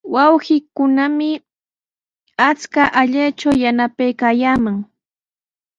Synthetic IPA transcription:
wawɢɪkʊnamɪ | at͡skaʔaʎat͡ʃawjanapajkaːjaːmaŋ

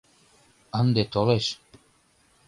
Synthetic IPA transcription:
ənd̪et̪oleʃ

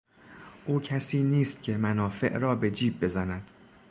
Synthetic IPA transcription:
ʔuːcʰæsiːniːst̪̚cʲʰe̞mænɒːfe̞̰ʔɾɒːbe̞d͡ʒiːb̚ːe̞zænæd̪̥

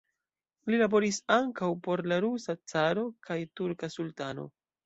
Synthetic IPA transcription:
lilabo̞ɾisaŋkawpo̞ɾlaɾusat͡saɾo̞kʰajtuɾkasultano̞̰

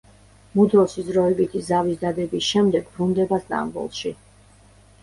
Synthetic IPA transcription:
mud̪ɔsizɾɔɛbit̪ʰizavisd̪ad̪ɛbisʃɛmd̪ɛɡbɾund̪ɛbast̪ʼa̰mbɔ̰lˠʃi

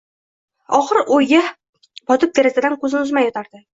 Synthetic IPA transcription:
ɒχɨɾʔojɡa | bɒt̪ʰʊp̚d̪eɾasɪd̪ankɵzɪnʊzmajɒt̪ʰaɾd̪ɪ

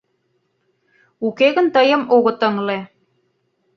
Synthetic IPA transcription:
ukeɣə̆nt̪əjə̆moɣɤ̆t̪ə̆ŋle

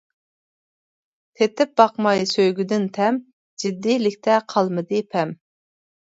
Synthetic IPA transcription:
t̪ʰet̪ɪp̚bɑqmɑjsøjɡʲyd̪ɪnt̪ʰɛm | d͡ʒid̪ːilɪkʲt̪ʰɛqʰɑlˠmɨd̪ɨpʰɛm

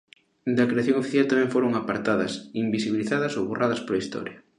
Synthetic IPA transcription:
d̪ɐkɾeaθjoŋofiθjalt̪amɛ̃ŋfoɾoŋapaɾt̪aðɐsimbisiβiliθaðɐsoβorʔaðɐspoɾɐist̪ɔ̰ɾjɐ

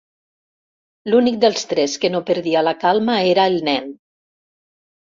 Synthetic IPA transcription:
lunik̚d̪elˠst̪ɾɛskenopəɾðialakalˠmaeɾaelˠnɛn

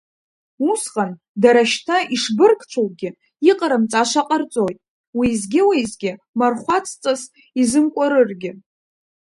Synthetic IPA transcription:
usqʼan | daɾaʃtʰaiʂbɨrkʰt͡ʃʷʰowɡʲɪ | iqʼaɾɨmt͡sʼaʃaqʼərt͡sʼojtʼ | wizɡʲɪwizɡʲɪ | marχʷat͡sʰʼt͡sʼas | izɨmkʷʼaɾɨrɡʲɪ

